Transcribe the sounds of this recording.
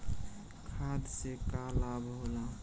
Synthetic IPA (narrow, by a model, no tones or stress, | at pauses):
kʰad̪sekalabɦola